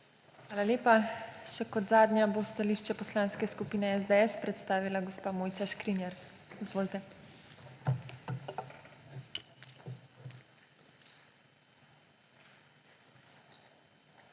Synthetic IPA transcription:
xʋaːlaljeːpaʃɛkɔd̪zaːd̪nʲjabost̪aliːʃt͡ʃɛpɔslaːnskɛskupiːnɛɛzd̪eɛspɾɛt̪st̪aːʋilaɡɔspaːmoːjtsaʃkɾinjɛɾizʋoːlt̪ɛ

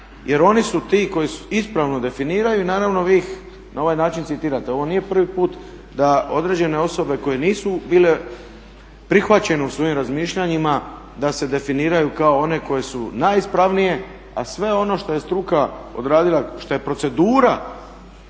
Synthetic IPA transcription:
je̞ɾo̞nisut̪iko̞jisuispɾaʋno̞d̪e̞finiːɾajuinaːɾaʋno̞ʋiːx | nʔao̞ʋajnaːt͡ʃint̪it̪iːɾat̪e̞o̞ʋo̞niːje̞pr̩ʋipuːt̪ | d̪ao̞d̪ɾe̞d͡ʑe̞ne̞o̞so̞be̞ko̞je̞niːsubiːle̞ | pɾixʋat͡ɕe̞neusʋo̞imɾazmiːʃʎaɲima | d̪ase̞d̪e̞finiːɾajukao̞one̞ko̞je̞sunajispɾaʋnije̞ | a̰sʋe̞o̞no̞ʃt̪o̞je̞st̪ɾukao̞̰d̪ɾaːd̪ilˠaʃt̪o̞je̞pɾo̞t̪se̞d̪uːɾa

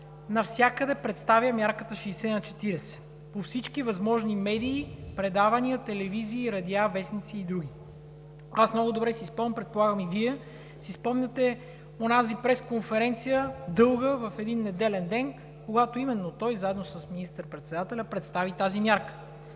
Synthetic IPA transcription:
nɐfsʲjakəd̪ɛpɾɛt̪st̪avʲjəmʲjaɾkət̪əʃisɛnɐt͡ʃɛ̥t̪iɾɛsɛ̥ | pofsit͡ʃkivɐzmɔʒnimɛd̪iːpɾɛd̪avɐniət̪ɛlɛviziːɾɐd̪ʲjavɛsnit̪siːd̪ɾuɡʲi | asmnɔɡʊd̪obɾɛsispompɾɛt̪̚polˠaɡəmiviɛ | sispɔmnʲət̪ɛ | onazipɾɛskonfɛɾɛnt̪sijəd̪ɤlˠɡəvɐfɛd̪inːɛd̪ɛlɛnd̪ɛn | koɡat̪oimɛnːot̪ɔjzaɛd̪nosəsminist̪əɾpɾɛt̪sɛd̪at̪ɛlʲəpɾɛt̪st̪avit̪azimʲjaɾkə̥

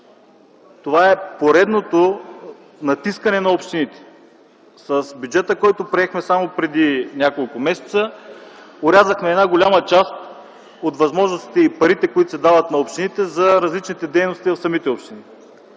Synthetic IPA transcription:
t̪ovaɛpoɾɛd̪not̪o | nɐt̪iskənɛnɐopʃt̪init̪ɛ̥ | səsbʲjʊd͡ʒɛt̪əkɔjt̪opɾiɛxmɛsamopɾɛd̪inʲakolˠkʊmɛsɛ̥t̪sə | oɾʲazəxmɛːd̪naɡolʲamət͡ʃast̪ | ot̪vɐzmɔʒnost̪i̥t̪ɛipɐɾit̪ɛkoit̪osɛd̪avət̪nɐopʃt̪init̪ɛzɐɾɐzlit͡ʃnit̪ɛd̪ɛjnost̪ivɐfsɐmit̪ɛɔpʃt̪ini

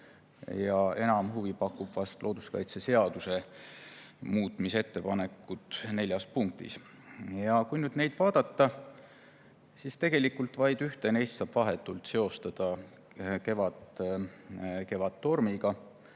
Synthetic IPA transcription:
jɑe̞nɑmhuvipɑkːˑub̥vɑst̪lʔo̞ːd̪̥uskɑjt̪sese̞ɑd̪use̞ | muːt̪ˑmise̞t̪ːe̞pɑne̞kːˑut̪ne̞lʲjɑspuŋk̚t̪ḭs | jɑkujnyd̪ne̞jd̪̥vɑːd̪̥ɑt̪ːɑ | sist̪e̞ɡ̥e̞likːˑult̪vɑjd̪̥yht̪enejst̪sɑːb̥vɑɦet̪ːˑult̪se̞o̞st̪ɑd̪̥ɑ | ke̞vɑt̪ | ke̞vɑt̪ːo̞rmiɡɑ

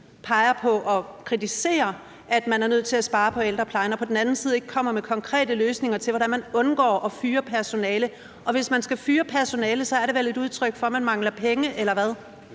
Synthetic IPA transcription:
pʰɑ̈ɪɐpʰɒ̽ʔɒ̽kʰʁit͡sʰise̝̰ːɐ | ʔæd̥mænæɐnøð̰ˠt͡sʰe̝læsb̥ɑ̈ːpʰɒ̽eld̥ʁɐpʰlɑ̈ɪnɒpʰɒ̽d̥en̩æn̩sið̞̩ˠe̝ɡ̥ə̥kʰɒ̽m̰ɐmekʰɒ̽ŋkʰʁɛ̰ːdəløːsne̝ŋɐt͡sʰe̝lʋɒɾænmænɔ̽nɡ̥ɒ̰ːʔɒ̽fyːɐpʰæɐso̝nɛːlə | ʔɒ̽ʋe̝smænsɡ̥æfyːɐpʰæɐso̝nɛːləsɒ̽æɐɾe̝ʋele̝duð̞ˠt͡sʰʁœɡ̥fɒ̽mænmɑ̈ŋ̰lɐpʰeŋəʔelɐʋæð̞ˠ

